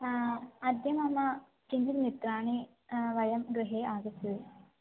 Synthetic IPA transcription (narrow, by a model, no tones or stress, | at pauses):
ɐd̪jɐmɐmːɐ | t͡ʃiɲd͡ʒit̪mit̪ɾaːɳi | ʋɐjɐmɡɾɨɦeːaːɡɐst̪ii